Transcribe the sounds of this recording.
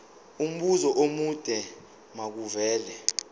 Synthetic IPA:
um̩ɓuzɔʔomud̥ʼʱɛ | mak̬uvɛːlɛ

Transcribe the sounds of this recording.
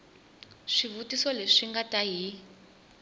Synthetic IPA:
ʂiβutisɔleʂiŋɡataɦi

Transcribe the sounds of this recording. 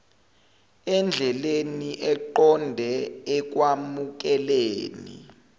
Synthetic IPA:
ɛnd͡ɮʱɛleniʔɛǃɔndʱɛɛk̬wamuk̬ɛleːnḭ

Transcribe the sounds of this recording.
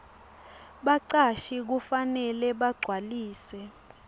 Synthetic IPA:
ɓaǀaʃik̬ufanɛlɛɓaɡ͡ǀʱwaliːsɛ

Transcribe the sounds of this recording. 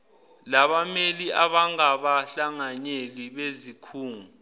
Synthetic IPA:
laɓameliʔaɓaŋaɓaɬaŋaɲeliɓezikʰuːŋu

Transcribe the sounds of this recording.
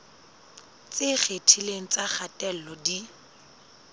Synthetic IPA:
t͡sɪχetʰileŋ̩t͡saχatʼɛl̩lɔdi

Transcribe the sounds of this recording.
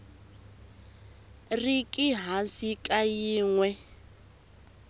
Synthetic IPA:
rikʼiɦasikʼajiːŋwɛ

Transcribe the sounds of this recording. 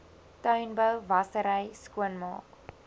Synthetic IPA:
tœɥnbœwvɐsəɾəjskuənmɑ̰ːk

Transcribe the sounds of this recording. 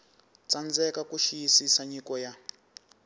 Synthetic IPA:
t͡sand͡zɛkakuʃijisisaɲikɔja

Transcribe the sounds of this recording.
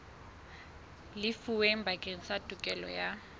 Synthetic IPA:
lɪfuwem̩bʱakʼeŋ̩satʼukʼɛlɔ̰ja

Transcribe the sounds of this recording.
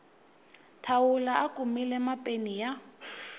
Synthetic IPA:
tʰaʊlaʔakʼumilɛmapʼenija

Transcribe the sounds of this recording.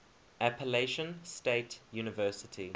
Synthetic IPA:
apʰəleʃə̃nsteɪtjuːnɪvɜːˑsɪtʰi

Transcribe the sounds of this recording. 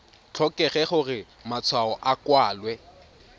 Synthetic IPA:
t͡ɬʰɔkʼɛχɛχʊrɪ | mat͡sʰwaɔʔakwaːlwɛ

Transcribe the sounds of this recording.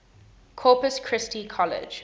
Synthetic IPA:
kʰɔːˑpəskʰɹ̥ɪstikʰɔlɪ̰̥d͡ʒ

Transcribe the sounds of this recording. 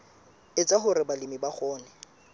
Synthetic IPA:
ɪt͡sʼaɦʊɾɪbalɪmibaχɔːnɛ

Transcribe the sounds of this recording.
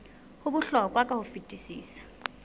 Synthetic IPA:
hʊbʊɬɔkʼwakʼahʊfitʼisḭːsḁ

